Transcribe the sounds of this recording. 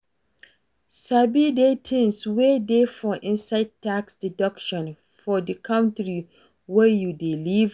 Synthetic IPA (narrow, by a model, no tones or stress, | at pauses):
sabidetʰɪ̃nswedefɔʔɪ̃nsaɪd̚tʰːaksdidɔkʃɔ̃n | fɔdikʰãntɹi | wɛjudiliv